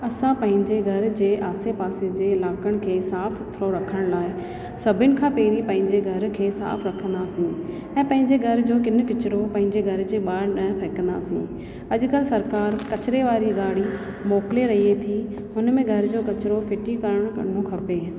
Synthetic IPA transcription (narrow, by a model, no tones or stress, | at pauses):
ɐsãpɐ̃ɦɪ̃ɲd͡ʑeɡʱɐɾd͡ʑeːʔaːsepaːsed͡ʑeːɪlaːkəɽ̃kʰeːsaːfʰʊt̪ʰɾoɾɐkʰəɽ̃laːɪ | sɐbʱɪnɪ̆kʰãːpeːɾipɐ̃ɦɪ̃ɲd͡ʑeɡʱɐɾkʰeːsa̰ːfʰɾɐkʰə̃nd̪aːsĩ | ɛ̃ːpɐ̃ɦɪ̃ɲd͡ʑeɡʱɐɾd͡ʑoːkɪn̆kɪt͡ɕɪɾopɐ̃ɦɪ̃ɲd͡ʑeɡʱɐɾd͡ʑeːɓaːɾnɐpʰɐːkə̃nd̪a̰ːsḭ̃ː | ɐʄkəlsɐɾkaːɾkɐt͡ɕɾeʋaːɾiɡaːɽi | moːkɪleɾɐɦiet̪ʰi | ʊnmẽɡʱɐɾd͡ʑoːkɐt͡ɕɾofʰɪʈikɐɾəɽ̃kɐ̰okʰɐpeː